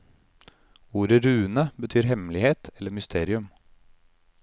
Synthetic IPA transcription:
uːɾəɾʉːənəbət̪ʰyːɾhɛmlɪheːt̪ʰɛlːəmʏst̪ʰeːɾɪʉm

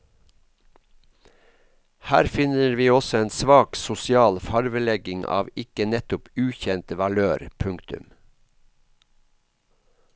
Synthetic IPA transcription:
hæ̰ːɾfɪnəɾʋiːɔsɔeːnsʋɑːksʊsɪɑːlfɑɾʋəlɛɡɪŋʔɑ̰ːʋɪkənɛt̪ʊpʉːçɛnt̪ʋɑløːɾpʰʉŋkt̪ʉ̰m

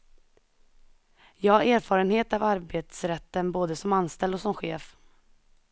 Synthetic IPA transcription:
jɑːaɾæːɾfɑːɾənheːt̪avaɾbeːt̪sɾɛt̪ːənboːd̪əsɔmanst̪ɛld̪ɔksɔmɧeːf

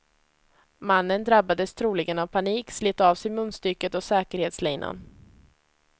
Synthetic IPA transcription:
manːənd̪ɾabːad̪əst̪ʰɾuːlɪɡənavpʰaniːkslɪt̪ːɑːvsɛjmɵnːst̪ʏɾkət̪ɔsɛːkəɾheːt̪slɛjnʔa̰n

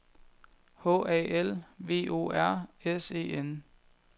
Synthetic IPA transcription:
hɔ̰̽ɛ̰ːelʋe̝̰ːo̝̰ːæɐ̰ese̝̰ːen

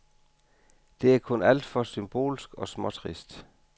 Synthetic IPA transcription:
d̥e̝æɐkʰɔ̽næl̰d̥fɒ̽symb̥o̝̰ːlsɡ̥ɒ̽smɒ̽t͡sʰʁisd̥

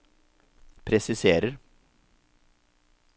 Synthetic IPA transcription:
pʰɾɛsɪseːɾəɾ

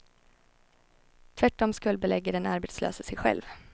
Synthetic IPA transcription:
t̪ʰvæʈːɔmskɵlbɛlɛɡːəɖɛnaɾbeːt̪slø̰ːsəsɛjɧɛ̰lv

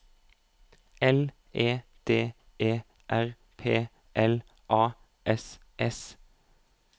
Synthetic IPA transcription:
ɛl | ʔeːd̪̥eː | d̪eː | ʔæʁ | pʰeː | ʔɛl | ʔɑː | ʔɛs | ʔɛs

